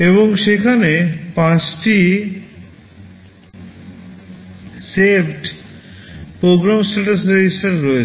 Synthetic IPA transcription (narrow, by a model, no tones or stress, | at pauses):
eβoŋʃekʰanepãt͡ɕʈi | sepʰɖ | pɾoɡɾamsʈaʈased͡ʑisʈaɾɾoe